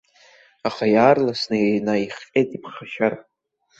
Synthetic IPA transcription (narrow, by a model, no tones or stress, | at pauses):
aχajaːrlasnɨnaiχqʲʼejtʼipʰχaʃar